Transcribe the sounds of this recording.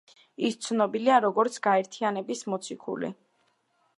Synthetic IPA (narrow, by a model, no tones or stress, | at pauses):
ist̪sʰnɔbiliaɾɔɡɔɾt̪sʰɡ̥aɛɾt̪ʰianɛbismɔt̪sʰikʰṵlḭ